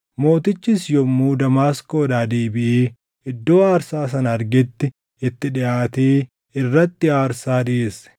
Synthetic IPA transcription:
mo̞ːt̪ɪt͡ʃːɪsjɔmːuːd̪ɐmaːskoːd̪aːd̪eːbɪʔiː | ɪd̪ːo̞ːaːɾsaːs̬ɐnɐɐɾɡɪt̪ːɪ | ɪt̪ːɪᶑɪʔaːt̪iː | ɪrːɐt̪ːɪaːɾsaːd̪ɪʔes

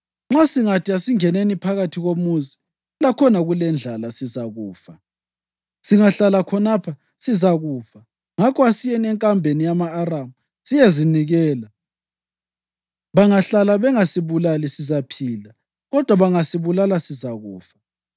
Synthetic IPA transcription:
ŋ͡ǁasiŋatʰiasiŋɛnenipʰaɣatʰiɣomuzi | ulakʰɔnaɣulɛnd͡ɮʱalasizaɣuːfa | siŋaɬalakʰɔnapʰa | sizaɣuːfa | ŋakʰɔasijɛnɛŋkʼambʱenijamaːramu | sijeziniɣɛːla | βaŋaɬalaβɛŋasiβulalisizapʰiːla | ɣɔd̥ʱwaβaŋasiβulalasizaɣuːfḁ

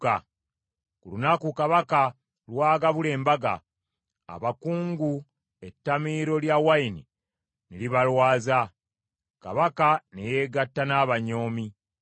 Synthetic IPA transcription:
a | kulunakukaβaka | lwaːɡaβule̞ːmbaɡa̰ | a̰βakuːŋɡu | e̞tːamiːɾo̞ljawaini | niliβalwaːza | ka̰βakaneje̞ːɡatːanaːβaɲo̞ːmi

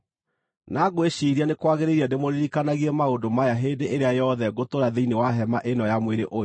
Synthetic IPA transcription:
naɡweɕiɾianekwaɣeɾeɾiademoɾiɾikanaɣiɛmaondomajaɦendeʔeɾeajɔðɛɡotoɾaðeinewaɦɛmaʔenɔjamweɾḛʔo

